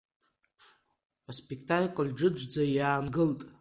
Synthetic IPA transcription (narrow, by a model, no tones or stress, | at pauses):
aspʼekʰtʰʼakʼlʲɖ͡ʐɨd͡ʒʷd͡zajaːnɡɨltʼ